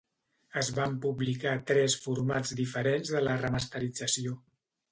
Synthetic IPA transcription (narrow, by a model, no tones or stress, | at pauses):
əzβampuβlikat̪ɾɛsfuɾmad͡zd̪ifəɾenzðələrəməst̪əɾid͡zəsio